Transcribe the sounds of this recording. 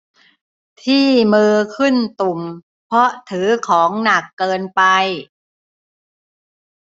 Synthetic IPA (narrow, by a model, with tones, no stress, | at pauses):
t̪ʰiː˥˩mɯː˧kʰɯ˥˩nt̪u˨˩m | pʰɔ˦˥t̪ʰɯː˩˦kʰɔː˩˦ŋna˨˩kːɤː˧npa˧j